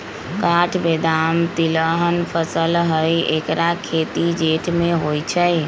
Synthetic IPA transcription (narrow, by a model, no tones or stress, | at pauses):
kaʈʰbed̪amt̪iləɦənpʰəsəlɦəjekɾakʰet̪id͡ʒeʈʰmeɦojt͡ʃʰəj